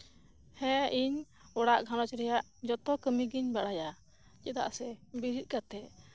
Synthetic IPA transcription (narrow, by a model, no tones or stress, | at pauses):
hɛ̃iɲ | ɔɽaʔɡʱanɔt͡ʃɾɛjaʔ | d͡ʒɔt̪ɔkəmiɡiɲbaɽaja | t͡ʃɛd̪a̰ʔsɛbiɾit̪̚kat̪ɛʔ